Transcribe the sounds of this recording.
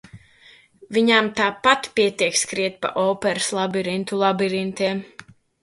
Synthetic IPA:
viɲamt̪aːpat̪piɛt̪iɛkskɾiɛt̪̚pa̰ʔɔːpɛɾslˠabiɾint̪ulˠabiɾint̪iɛm

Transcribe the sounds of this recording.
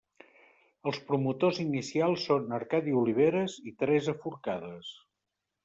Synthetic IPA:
əlˠspɾumut̪ozinisialˠsːonəɾkaðiuliβ̞eɾəzit̪ɾɛzəfuɾkaðəs

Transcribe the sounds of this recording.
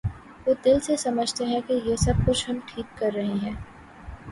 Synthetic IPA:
ʋoːd̪ɪlsesɐməd͡ʒʱt̪eɦɛ̃kejesɐb̚kʊt͡ʃʰɦɐmʈʰiːkːɐɾːɐɦeɦɛ̃ː

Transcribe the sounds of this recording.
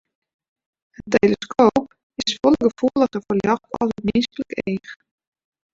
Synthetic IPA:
əntejləskʰoːp̚ | ɪsfɔlˠəɡəfuəlˠəχəfərljɔxtɔ̰sətmenskələkeːx

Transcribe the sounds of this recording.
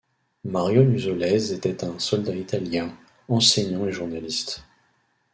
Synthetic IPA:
maʁjonyzɔlɛzet̪ɛt̪ɛ̃sɔld̪ait̪aljɛ̃ | ɑ̃seɲɑ̃eʒuʁnalist̪

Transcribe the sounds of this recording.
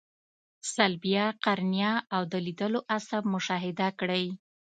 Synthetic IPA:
salbijɑqaɾnijɑawd̪əlid̪əloʔasab̚mʊʃɑɦɪd̪akɽəj

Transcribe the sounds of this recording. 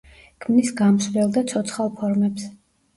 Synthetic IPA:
kʰmnisɡamslɛlˠd̪at̪sʰɔt̪sʰχalˠpʰɔɾmɛps

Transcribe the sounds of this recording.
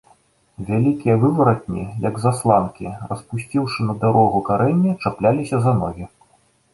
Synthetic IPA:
vʲalʲikʲijɐvɨvɐɾɐt̪̚ʲnʲḭjɐɡzaslˠankʲirɐspusʲt͡sʲiwʂɨnɐd̪aɾɔɣukaɾɛnʲːɛt͡ʂaplʲalʲisʲɐzanɔɣʲi

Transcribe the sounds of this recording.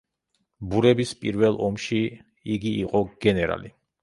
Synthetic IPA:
buɾɛbispʼiɾvɛlˠɔmʃi | iɡiːqʼɔɡ̥ɛnɛɾa̰li

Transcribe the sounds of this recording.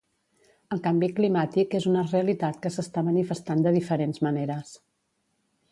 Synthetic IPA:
əlˠkambiklimat̪ikezunəreəlit̪at̪kəsəst̪amənifəst̪and̪əðifəɾenzməneɾəs

